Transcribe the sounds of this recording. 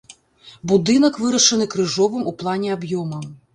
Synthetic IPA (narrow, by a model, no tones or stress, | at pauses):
bud̪ɨnɐkvɨɾɐʂɐnɨkɾɨʐɔvɨmuplˠanʲɛabjɔmɐ